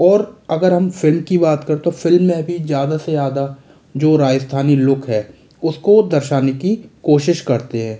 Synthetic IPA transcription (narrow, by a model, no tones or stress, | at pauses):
ɔːɾɐɡəɾɦɐmfɪlmkibaːt̪kɐɾet̪ofɪlmːẽbʱizjaːd̪asejaːd̪a | d͡ʒoːɾaːd͡ʒəst̪ʰaːnilʊkʰɦɛː | ʊskod̪ɐɾʃaːnekikoːʃɪʃkɐɾt̪eɦɛ̃ː